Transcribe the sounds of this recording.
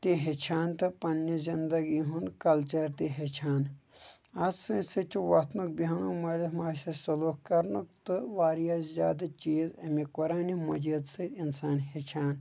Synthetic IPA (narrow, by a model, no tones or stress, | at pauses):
t̪iɦet͡ʃʰaːnt̪ɨpɐnːizind̪ɐɡiɦunkɐlt͡ʃɐɾt̪iɦet͡ʃʰaːn | ɐzsɨsɨt͡ʃʰuʋɐt̪nuk̚biɦɐnumɐlimaːsɐsɐlokkɐɾnukt̪ɨʋaːɾijaszʲjaːd̪ɐt͡ʃiːzɐmikoɾaːnimɐd͡ʒid̪sɨinsaːnɦet͡ʃʰaːn